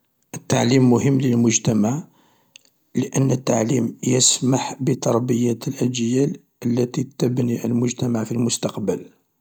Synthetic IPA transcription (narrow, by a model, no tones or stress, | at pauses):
ʔət̪ːaʕlimːʊhəmːləlmʊʒt̪æmaʕ | ləʔənːət̪ːaʕlimjəsmaħbət̪ˤɑɾˤbəjæt̪əlʔæd͡ʒjæl | ʔəlːæt̪it̪əbniʔəlmʊʒt̪æmaʕfilmʊst̪ɑqbəl